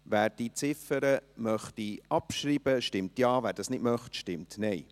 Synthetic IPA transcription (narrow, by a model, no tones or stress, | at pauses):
væːɾd̥it͡sɪfəɾəmœχtiɑpʃɾiːb̥əʃtɪmtjɑːvæːɾdɑsnɪdmœχtʃtɪmtnɛɪ